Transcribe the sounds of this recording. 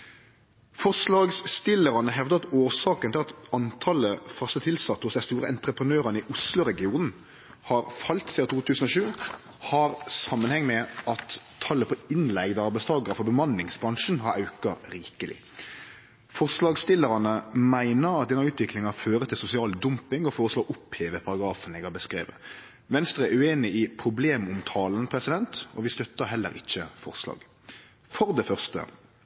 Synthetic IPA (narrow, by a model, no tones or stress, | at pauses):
fɔʂlɑːɡsst̪ɪlːəɾɑnəɦɛʋd̪ɑt̪oːsɑːkənt̪ɪlɑt̪ɑnt̪ʰɑləfœst̪ət̪ʰɪlsɑt̪ːhʊsd̪æɪst̪uːɾəɛnt̪ɾəpʁənøːɾənɪʔʊslʊɾɛɡɪuːnn̩ | hɑːɾfɑlt̪siːɑt̪ʰuːt̪ʰʉːsən̩oːʃʉː | hɑɾsɑmːənhɛŋːmɛɑt̪ʰːɑlːəpʰɔɪnlɛɡd̪əɑɾbæɪst̪ʰɑːɡəɾəfɔɾbəmɑnlɪŋsbɾɑŋʂn̩ɦɑɾɑʉkɑɾiːkəlɪ̰ | fɔʁʂlɑːɡst̪ɪlːəɾɑnəmæɪnəɾɑt̪̚d̪ɛnɑʉːt̪ʋɪklɪŋɑføːʁət̪ʰɪlsʊsɪɑːld̪ʊmpɪŋɔfoːʁəsloːɡʊpheːʋəpʰɑɾɑɡɾɑːfənɛɡhɑbəskɾḛːʋə̰ | ʋɛnst̪ʁəɛʉeːnɪɪpʰʁʊbleːmʊmt̪ʰɑːlənpʰɾɛsɪd̪ɛnt̪ɔ̰ʋɪst̪œt̪ːəɦɛlːə̰ɾɪçːəfɔʁʂlɑ̰ːɡ̥ | fɔʁd̪ɛfœʁst̪ə̰